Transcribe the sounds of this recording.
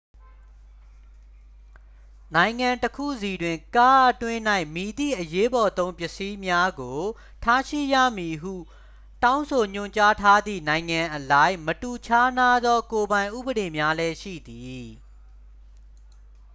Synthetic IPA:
nã˨ɪ̃ŋã˨ntəkʰṵ˦˨zi˨dwɪ̃˨ŋka˦ʔətwɪ̃˦n̥a˦˨ɪ̃mi˨d̪ḭ˦˨ʔəje˦bɔ˨t̪õ˦ʊ̃mpjɪ˦˨ʔsi˦mja˦ɡo˨ | tʰa˦ʃḭ˦˨ja̰˦˨mi˨ɦṵ˦˨ | tã˦ʊ̃nsʰo˨ɲ̥ʊ̰̃˦˨ɲt͡ɕa˦tʰa˦d̪ðḭ˦˨nã˨ɪ̃ŋã˨ʔəla˦ɪ̃mətu˨t͡ɕʰa˦na˦d̪ðɔ˦ko˨bã˨ɪ̃ʔṵ˦˨bəɾe˨mja˦lɛ˦ʃḭ˦˨d̪i˨

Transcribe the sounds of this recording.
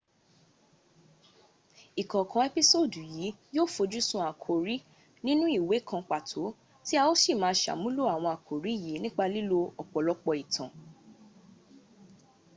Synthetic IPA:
i˨kɔ̃˨kã˧e˧pi˦so˦˨du˨jiː˨˦joː˦˨fo˧d͡ʒu˦sũ˧˦a˨kʰo˨ɾi˨˦ | nĩ˦nũ˦i˦˨we˨˦kʰã˧k͡pa˨tʰo˨˦ | ti˦a˧wo˦ʃi˦˨mãː˨˧˦ʃa̰˨mũ˦lo˦˨a˨w̃ɔ̃˧a˨kʰo˨ɾi˨˦ji˨˦nĩ˦k͡pa˧li˦lo˧ɔ˨k͡pɔ˨lɔ˧˦k͡pɔ˧i˨tʰã˨

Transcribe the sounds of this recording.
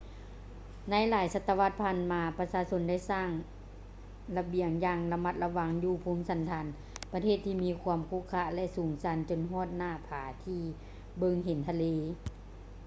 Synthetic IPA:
na˧˥˨jlaː˨˦jsa˧t̪ːa˧ʋa˧˩t̪̚pʰaː˧˨nmaː˧pa˧saː˧so˧˥nda˥˩˨jsaː˧˥˩ŋ | la˧bi˧˩əŋjaː˧ŋla˧ma˧˩t̪̚la˧ʋa˧˥ŋjuː˧pʰoː˧˦msa˨˦nt̪ʰaː˧˦n | pa˧t̪ʰeː˧˩˨t̪ʰːiː˧˨miː˧˥kʰu˧əmkʰu˧˥˨kʰːa˧˥lɛ˧˥ʔsuː˨˩˦ŋsa˧˦nt͡ɕo˧˨nɦɔː˧˥˨t̪̚naː˧˩˨pʰaː˨˦t̪ʰiː˧ | bɤ˧ŋɦe˨˦nt̪ʰa˧leː˧˦

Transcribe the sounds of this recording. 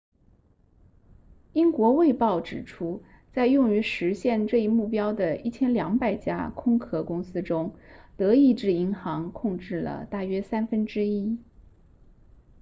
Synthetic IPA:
i˥ŋkwɔ˧˥we˥˧ɪpɑ˥˩ʊʈ͡ʂɻ̩˨˩ʈ͡ʂʰu˥ | t͡sa˥˧ɪjʊ˥˩ŋy˧˥ʂɻ̩˧˥ɕjɛ˥˧nʈ͡ʂɤ˥˧i˥˧mu˥˩pjɑ˥ʊd̪ə˨i˥˩t͡ɕʰjɛ˥nljɑ˧˥ŋpa˨˩ɪt͡ɕja̰˥kʰʊ˥ŋkʰɤ˥kʊ˥ŋsɹ̩˥ʈ͡ʂʊ˥ŋt̪ɤ˧˥i˥˧ʈ͡ʂɻ̩˥˩i˧˥ŋxɑ˧˥ŋkʰʊ˥˧ŋʈ͡ʂɻ̩˥˩lə̰˩t̪a˥˩ɥɛ˥sa˥nfə˥nʈ͡ʂɻ̩˥i˥

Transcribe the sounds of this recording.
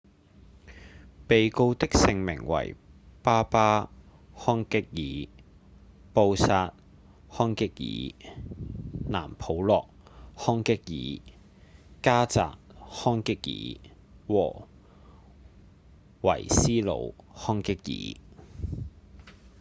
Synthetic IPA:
pe˨jko˧wt̪ɪ˥k̚sɪ˧ŋmɪ̰˨˩ŋwɐ̰˨˩jpaː˥paː˥ | hɔː˥ŋkɪ˥k̚jiː˨˥˦ | po˧wsaː˧t̚ | hɔː˥ŋkɪ˥k̚jḭː˨˥ | na̰ː˨˩mpʰo˨˥wlɔː˨k̚hɔː˥ŋkɪ˥k̚jḭː˨˥ | kaː˥t͡sa̰ː˨k̚hɔː˥ŋkɪ˥k̚jḭː˨˥ | wɔː˨˩ | wɐ̰˨˩jsiː˥lo̰˨˧whɔː˥ŋkɪ˥k̚jḭː˨˥

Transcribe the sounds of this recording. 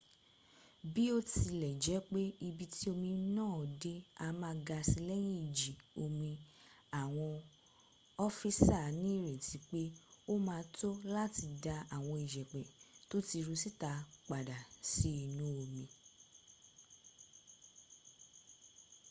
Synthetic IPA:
bi˦o˦ti˧lɛ˨d͡ʒɛ˨˦k͡pe˦i˧bi˧ti˦o˧mĩ˧nãː˦˨de˧˦a˧mãː˧˦ɡa˧si˧lɛ˦j̃ĩ˦˨d͡ʒi˨o˧mĩ˧ | a˨w̃ɔ̃˧ | ɔ˦fi˦sa˦˨nĩ˨˦i˦˨ɾe˨ti˨˦k͡pe˦o˦mãː˧˦to˦la˦ti˧da˧a˨w̃ɔ̃˧i˨d͡ʒɛ˨k͡pɛ˨to˦ti˧ɾu˧si˦ta˧k͡pa˨da˨si˦i˨nũ˨˦o˧mĩ˧

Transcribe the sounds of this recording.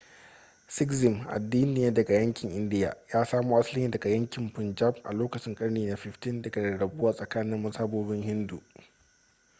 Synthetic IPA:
sɪ˦kzɪ˨mʔa̰˨dːiː˦nɪ˨jaː˦dɐ˨ɡa˨jɐ˦ŋkʲɪ˨ŋʔɪ˦ndɪ˦ja̰ː˨jaː˦saː˦muː˦ʔa˦slɪ˦iː˦dɐ˨ɡa˨jɐ˦ŋkʲɪ˨mpɪ˨nd͡ʒa˦p̚ʔa̰˨loː˦kɐ˨t͡ʃɪ˦ŋkʼɐ˦ɽniː˨na˦ɸɪ˨ɸtɪ˦ndɐ˨ɡa˨dɐ˨ɽɐ˨buː˦waː˨sʼɐ˨kaː˦nɪ˦mmɐ˦saː˦boː˦bɪ˦ŋhɪ˦ndu˨

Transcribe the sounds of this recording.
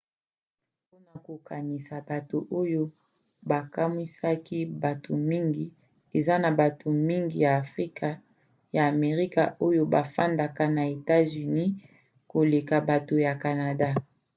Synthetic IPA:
po˦na˨ko˨ka˨ni˨sa˨ba˨to˨ʔo˦jo˦ | ba˨ka˦mi˦sa˦ki˦ba˨to˨mi˦ŋɡi˨ | e˨za˦na˨ba˨tʰo˨mi˦ŋɡi˨jaː˨fʁi˦kʰa˨ | jaː˨me˨ʁi˦ka̰˨o˦jo˦ba˨fa˦nda˨ka˨na˨e˨ta˦zy˨ni˦ | ko˨le˨ka˨ba˨to˨ja˨ka˨na˨da˦

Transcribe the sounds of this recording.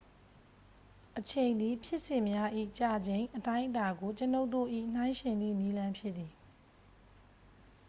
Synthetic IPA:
ʔət͡ɕʰẽ˨ɪ̃nd̪i˨pʰjɪ˦ʔsɪ̃˨mja˦ʔḭ˦˨t͡ɕa˨d͡ʑẽ˨ɪ̃ʔətã˦ɪ̃ʔəta˨ɡo˨t͡ɕəno˦ʊtːo̰˦˨ʔḭ˦˨n̥ã˦ɪ̃ʃɛ̃˨nd̪ḭ˦˨ni˦lã˦mpʰjɪ˦t̪ːi˨

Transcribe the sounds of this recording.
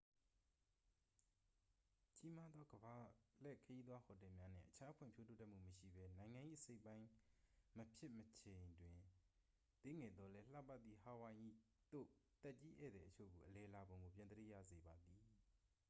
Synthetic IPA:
t͡ɕi˦ma˦d̪ðɔ˦ɡəba˨l̥ɛ˦˨kʰəji˦d̪wa˦hɔ˨tɛ˨mja˦n̥ɪ̰̃˦˨ʔət͡ɕʰa˦pʰwɪ̃˨mpʰjo˦to˦˨tɛ˦ʔm̥ṵ˦˨məʃḭ˦˨bɛ˦nã˨ɪ̃ŋã˨ʔḭ˦˨əse˦ɪpːã˦ɪ̃məpʰjɪ˦ʔmət͡ɕʰẽ˨ndwɪ̃˨ | t̪e˦ŋɛ˨d̪ðɔ˦lɛ˦l̥a̰˦˨pa˦t̪̚ːi˨ha˦wã˨ɪ̃ʔḭ˦˨ | t̪o̰˦˨t̪ɛ˦ʔt͡ɕi˦ʔɛ̰˦˨d̪ɛ˨ʔət͡ɕʰo̰˦˨ɡo˨ʔəlɛ˨la˨bõ˨ʊ̃ŋɡo˨pjã˨d̪əɾḭ˦˨jä̰˦˨ze˨ba˨d̪i˨

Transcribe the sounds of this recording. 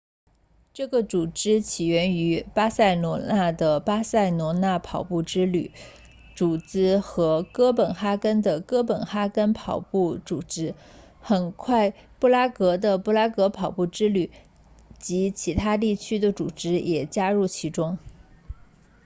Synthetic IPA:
ʈ͡ʂɤ˥˩ɡə˩t͡su˨˩ʈ͡ʂɻ̩˥t͡ɕʰi˨˩ɥɛ˧˥ny˧˥pa˥sa˥˩ɪnwɔ˧˥na˥˩d̪ə˩pa˥sa˥˩ɪnwɔ˧˥na˥˩pʰɑ˨˩ʊpu˥˩ʈ͡ʂɻ̩˥ly̰˨˩˦ | ʈ͡ʂu˨˩t͡sɹ̩˥xɤ˧˥kɤ˥pə˨˩nxa˥kə˥nd̪ə˨kɤ˥pə˨˩nxa˥kə˥npʰɑ˨˩ʊpu˥˩t͡su˨˩ʈ͡ʂɻ̩˥ | xə˨˩nkʰwa˥˩ɪpu˥˩la˥kɤ˧˥d̪ə˧pu˥˩la˥kɤ˧˥pʰɑ˨˩ʊpu˥˩ʈ͡ʂɻ̩˥ly˨˩˦ | t͡ɕi˧˥t͡ɕʰi˧˥t̪ʰa˥t̪̬i˥˩t͡ɕʰy˥d̪ə˨ʈ͡ʂṵ˨˩ʈ͡ʂɻ̩˥jʔɛ˨˩t͡ɕja˥ɻu˥˩t͡ɕʰi˧˥ʈ͡ʂʊ˥ŋ

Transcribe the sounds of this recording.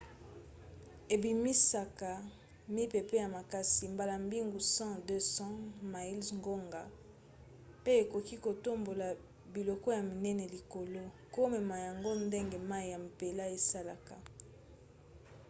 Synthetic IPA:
e˨bi˨mi˦sa˨ka˨ | mi˦pe˨pe˦ja˨ma˨ka˦si˨mba˨la˨mbi˦ŋɡu˨sɑ̃˦dø˦sɑ̃˦ma˨i˦lzŋɡo˦ŋɡa˨ | pe˦e˨ko˨ki˦ko˨to˦mbo˨la˨ | bi˨lɔ˨kɔ˦ja˨mi˨nɛ˦ne˨li˨ko˨lo˦ | ko˦me˨ma˨ja˨ŋɡo˦nde˦ŋɡe˨ma˦i˨ja˨m˨pe˨la˦e˨sa˦la˨ka˨

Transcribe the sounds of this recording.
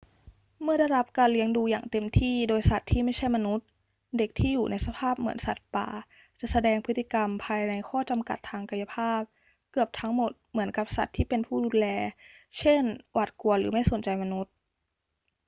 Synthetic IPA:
mɯ˥˩ɐda˥˩jɾa˦˥p̚kaː˧nli˦əŋduː˧jaː˨˩ŋt̪e˧mt̪ʰiː˥˩doː˧jsa˨˩t̪ʰːiː˥˩ma˥˩jt͡ɕʰa˥˩jma˧nu˦˥t̪̚ | de˨˩k̚t̪ʰiː˥˩juː˨˩nʔa˧jsa˧pʰaː˥˩p̚mɯ˩˦ənsa˨˩t̪̚pa̰ː˨˩ | t͡ɕa˨˩ʔsa˧dɛː˧ŋpʰɯ˦˥t̪ːi˨˩ka˧mpʰaː˧jna˧jkʰɔː˥˩t͡ɕa˧mka̰˨˩t̪ʰːaː˧ŋka˧ja˧pʰaː˥˩p̚ | kɯ˨˩əp̚t̪ʰa˦˥ŋmo˨˩t̪̚mɯ˩˦ənka˧˦˩p̚sa˨˩t̪ʰːiː˥˩pe˧npʰuː˥˩duː˧nlɛː˧t͡ɕʰe˥˩nwa˨˩t̪̚ku˧˩ɐlɯ̰ː˩˦ma˥˩jso˨˩˦nt͡ɕa˧jma˧nu˦˥t̪̚

